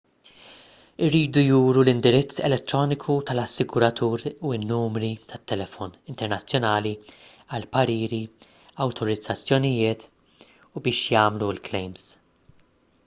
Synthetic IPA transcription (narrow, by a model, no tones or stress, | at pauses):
ɪɾːiːd̪ujuːɾulɪnd̪ɪɾɪt͡sːɛ̰lɛt̪ːɾɔːnɪkʰut̪ɐlɐsːɪɡʊɾɐt̪ʰuːɾuɪnːuːmɾit̪ʰɐt̪ːɛlɛfɔnɪnt̪ɛɾnɐt͡sːjɔnɐːli | ɐlpɐɾiːɾi | ɐwt̪ʰɔɾɪd͡zːɐt͡sːjɔnɪjɪːt̪ | ubɪːʃjɐːmluɪlklɛjms